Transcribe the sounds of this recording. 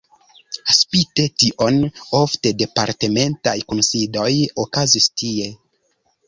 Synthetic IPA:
aspite̞tiʔo̞no̞fte̞de̞paɾte̞me̞ntajkonsido̞jokazistie̞

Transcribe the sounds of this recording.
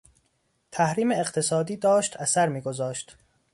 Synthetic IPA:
t̪ʰæhɾiːmeːqt̪ʰe̞sɒːd̪iːd̪ɒːʃt̪ʰæsæɾmiːɡozɒːʃt̪

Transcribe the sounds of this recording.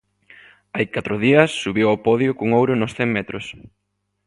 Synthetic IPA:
ajkat̪ɾʊðiɐsːuβewopɔðjokʊŋowɾʊnʊsθɛŋmɛt̪ɾʊs

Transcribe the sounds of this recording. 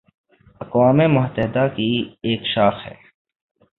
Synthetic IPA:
ɐkwaːmemʊɦt̪əɦɪd̪akieːkʃaːxhɛ̰ː

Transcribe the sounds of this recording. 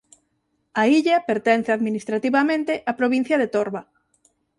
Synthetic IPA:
aiʎapeɾt̪ɛn̟θeaðminist̪ɾat̪iβamẽnt̪eʔapɾoβĩn̟θjɐðet̪oɾβa

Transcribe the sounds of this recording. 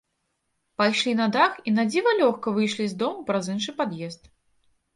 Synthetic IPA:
pajʂlʲinɐd̪axinad͡zʲivɐlʲɔxkɐvɨjʂlʲizd̪ɔmupɾazɨnʂɨpad̪jɛst̪̚

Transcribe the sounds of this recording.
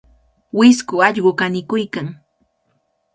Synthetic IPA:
wɪskʊaʎɢokanɪkʊjkaŋ

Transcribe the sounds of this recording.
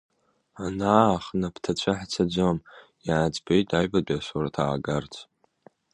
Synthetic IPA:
anaːχnapʰtʰat͡ɕʷʰaħt͡sʰad͡ʒʷɨm | jaːd͡zʼbejtʼajbadʷʼasoɾatʰa̰ːɡart͡sʰ

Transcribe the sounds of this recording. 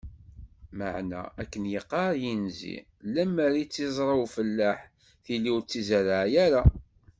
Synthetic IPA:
ma̰ʕnæ̰ækːənjəqːɑɾˤjinzḭ | læmːəɾit͡sːizˤɾˤɑwfəlːaħ | θilːiwɾt͡sːizəɾaʕjæɾa

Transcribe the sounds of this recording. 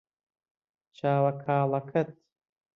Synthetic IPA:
t͡ʃʰaːwɐkʰaːlɐkʰɐt̪̚

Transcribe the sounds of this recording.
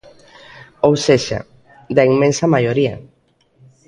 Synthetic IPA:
owseʃa̰ | d̪aiŋmẽnsamajoɾia̰

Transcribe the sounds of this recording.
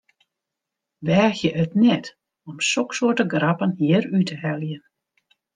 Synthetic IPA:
ʋɛːxjəʔœtnɛt | ɔmsɔksuətəɡrapənɦiəɾytʰəhɛljən

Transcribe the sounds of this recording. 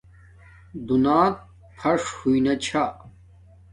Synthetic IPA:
d̪unaːt̪̚ | pʰɐʂhuinɐt͡ɕʰa

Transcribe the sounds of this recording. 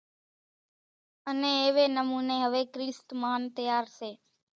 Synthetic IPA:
ənẽːeːʋeːnəmuːneːɦəʋeːkɾiːst̪maːnt̪əjaːɾseː

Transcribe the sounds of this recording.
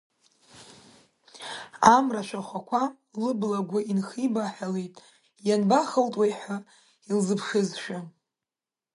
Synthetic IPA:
amraʃʷᶣaχʷakʷʰa | lɨblaɡʷaʔinχibaħalejtʼ | janbaχəltʼwejħʷa | ilzɨpʰʂɨzʃa

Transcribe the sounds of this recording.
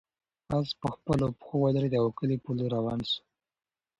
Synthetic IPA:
azpəxpəlopxowalaɾed̪əawakəlipuloɾawɑnsu̥

